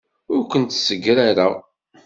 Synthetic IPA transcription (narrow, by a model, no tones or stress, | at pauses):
ʊɾkʷənt̪səɡːɾaɾa